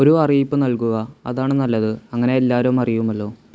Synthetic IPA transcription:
oɾuɐrijipːɨnɐlkuɣɐɐðaːɳɨnɐlːɐðɨɐŋːɐne̞elːaːɾɐumɐrijumɐlːo̞ː

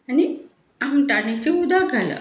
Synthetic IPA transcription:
ani | amʈanet͡ɕeud̪aɡʱalə̰

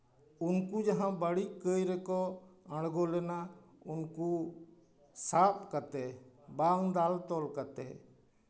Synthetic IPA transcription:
ʊnkud͡ʒaɦãbəɽikəjɾɛkɔə̃ɽɡɔlɛna | ʊnku | saːp̚ʰkat̪ɛbaŋd̪alt̪ɔlkat̪ɛ̰

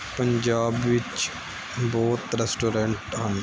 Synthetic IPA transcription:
pəɲd͡ʒaːbʋɪt͡ʃ | bɔːt̪ɾɛsʈoːɾə̃ɳʈɦən

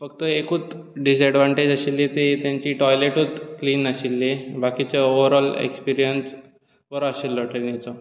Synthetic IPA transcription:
fək̚t̪əekut͡s | ɖis̬ɛɖʋãɳʈed͡ʑəɕilːet̪et̪jaɲt͡ɕiːʈɔjleʈut͡skliːnaɕilːebakit͡ɕaoʋəɾɔlḛkspiɾijəns | ʋəɾaɕilːɔʈenit͡sɔ

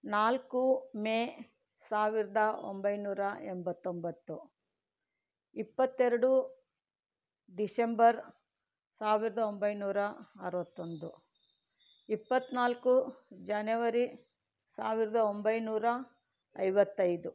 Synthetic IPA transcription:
naːlkumeː | saːʋiɾɐd̪ɐo̰mbɐjnuːɾɐɛmbɐt̪ːombɐt̪ːu | ipːɐt̪ːɛɾɐɽu | ɖisembɐɾ | saːʋiɾɐd̪ɐombɐjnuːɾɐɐɾuʋɐt̪ːo̞nd̪u | ipːɐt̪ːnaːlkud͡ʒɐnɐʋɐɾi | saːʋiɾɐd̪ɐombɐjnuːɾɐ | ɐjʋɐt̪ːɐjd̪u

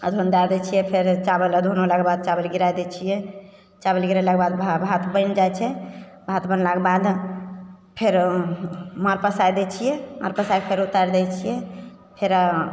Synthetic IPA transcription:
ə̰d̪ʱond̪ad̪ɛt͡ʃʰijɛpʰeɾt͡ʃabələd̪ʱonolakebad̪̚t͡ʃabəlɡiɾajd̪ɛt͡ʃʰijɛ | t͡ʃabəlɡiɾalakebad̪bʱbʱat̪bənd͡ʒajt͡ʃʰɛ | bʱat̪bənlakebad̪ | pʰeɾ | məɾpəsajd̪ɛt͡ʃʰijɛməɾpəsajpʰeɾut̪əɾd̪ɛt͡ʃʰijɛ | pʰeɾ

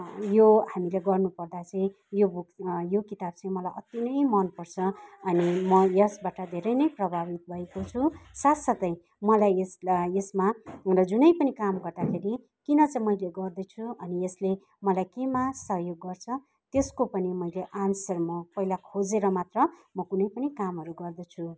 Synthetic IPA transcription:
johamileɡʌrnupʌrd̪at͡sãĩ | jobukjokit̪ab̚t͡saĩmʌlajʔʌt̪jinʌjmʌnpʌrt͡sʰʌʌnimʌjʌsbaʈʌd̪ʱeɾʌjnʌjprʌbʱabit̪̚bʱʌekot͡sʰusat̪sʌt̪ʌj̃ | mʌlajesesmarʌd͡zunʌjpʌnikamɡʌrd̪akʰeɾi | kinʌt͡saĩmʌjleɡʌrd̪ʌt͡sʰuʌniesle | mʌlajkemasʌɦjoɡːʌrt͡sʰʌ | t̪eskopʌnimʌjleʔansʌrmʌpʌilakʰod͡zeɾʌmat̪rʌmʌkunʌjpʌnikamɦʌɾuɡʌrd̪ʌt͡sʰu

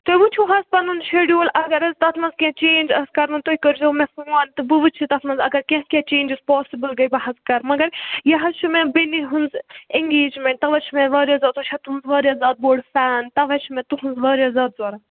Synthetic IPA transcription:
t̪ojbut͡ʃʰuɦɐzpɐnunʃeɖjuːlʔɐɡɐɾɐzt̪ɐt̪ʰmɐnzkʲẽt͡ʃeːnd͡ʒɐskɐɾmɐnt̪oikəɾd͡ʒɐmẽfuːɐnt̪ɨbɨʋɨt͡ʃʰit̪ɐt̪ʰmɐnzɐɡɐɾkʲẽɦkʲẽt͡ʃeːnd͡ʒiz̥pɔːsibɨlɡɐjbɐɦɐzkɐɾmɐɡɐɾjɐɦɐt͡ʃʰumẽbeniɦunzeŋɡeːd͡ʒmẽɳʈ̚t̪ɐʋɐt͡ʃʰmẽʋɐːɾijɐzaːt̪ot͡ʃʰɐt̪uɦunzʋɐːɾʲijɐzaːd̪̚boːɖfaːnt̪ɐʋɐt͡ʃʰimẽt̪uɦunzʋɐːɾijɐzaːd̪zoɾɐn

